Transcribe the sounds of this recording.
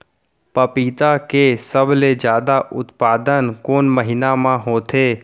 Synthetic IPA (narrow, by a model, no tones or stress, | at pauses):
pəpiːt̪akesəbled͡ʒjaːd̪aʔʊt̪paːd̪ənkoːnməɦɪnamãɦoːt̪ʰeː